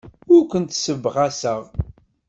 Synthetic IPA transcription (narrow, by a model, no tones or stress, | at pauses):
ʊɾkʷənt̪səvːʁasəʁ